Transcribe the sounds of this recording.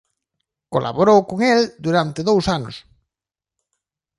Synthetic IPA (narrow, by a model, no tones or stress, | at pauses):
kolʔa̰βoɾowkoŋeld̪uɾant̪eðowsanʊ̰s